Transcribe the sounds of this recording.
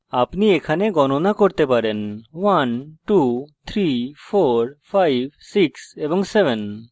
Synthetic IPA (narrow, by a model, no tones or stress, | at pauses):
apniekʰaneɡɔnonakoɾt̪epaɾenwanʈut̪ʰɾifʰoɾpʰajb̚ʱsiksebɔŋsebʱen